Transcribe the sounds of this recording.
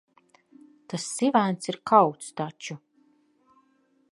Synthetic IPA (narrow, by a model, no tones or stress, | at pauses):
t̪asːivænsiɾkʰawt̪st̪at͡ʃu